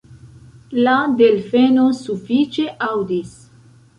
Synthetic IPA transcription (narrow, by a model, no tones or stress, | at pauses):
ladelfenosufit͡ʃe̞ʔawdis